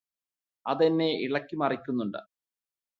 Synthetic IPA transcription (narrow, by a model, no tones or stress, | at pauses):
ɐðenːe̞ḭɭɐkʲːimɐrikʲːunːuɳɖɨ̰